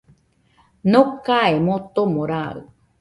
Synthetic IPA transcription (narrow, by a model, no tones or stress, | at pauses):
nokaemot̪omoɾaɯ̰